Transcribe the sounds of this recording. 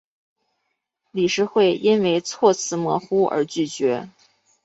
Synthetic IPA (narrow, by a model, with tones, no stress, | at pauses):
li˨˩ʂɻ̩˥xwe˥˩ɪʔi˥nwe˧˥ɪt͡sʰwɔ˥˧t͡sʰɹ̩˥˩mwɔ̰˧˥xu˥ə̰˧˥t͡ɕy˥˩t͡ɕɥɛ˧˥